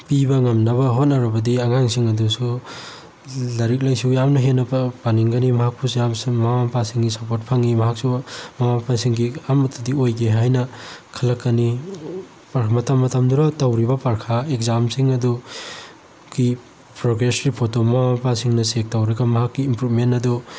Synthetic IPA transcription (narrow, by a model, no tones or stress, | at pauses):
pibɐŋɐmnɐβɐɦot̚nɐɾɐbɐdiɐŋaŋsiŋɐdusu | lɐɾik̬̚lajsiwjamnɐɦenɐbɐpaniŋɡɐnimɐɦak̚pusjamsmamapasiŋɡisɐpoɾt̚pʰɐŋimɐɦak̚sumamapasiŋɡiamɐtɐdiojɡeɦajnɐkʰɐlɐkːɐni | paɾkʰamɐtɐmːɐtɐmduɾɐtɐwɾibɐpaɾkʰaekzamsiŋɐdu | kʰi | pɾoɡɾesɾipʰotomamapasiŋnɐsek̚tɐwɾɐɡɐmɐɦakːiːmpɾupmentɐdu